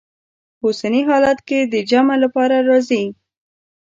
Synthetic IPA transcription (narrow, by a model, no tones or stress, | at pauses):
osaniɦɑlat̪ked̪əd͡ʒamalapɑɾaɾɑzi